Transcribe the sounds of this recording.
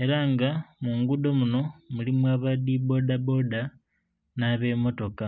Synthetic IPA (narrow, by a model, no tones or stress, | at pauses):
e̞ɾaŋɡamuŋɡud̪o̞muno̞mulimwaːβadibo̞dabo̞da | naβe̞mo̞to̞ka